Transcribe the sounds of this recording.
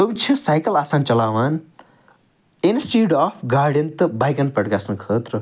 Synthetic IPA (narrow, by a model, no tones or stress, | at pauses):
bəbit͡ʃʰɐsajkɐlaːsaːnt͡ʃɐlaːʋaːn | insʈiɖapʰɡaːɾɖɐnt̪bajkɐnpɐɽkasnkʰəːt̪ɾɐ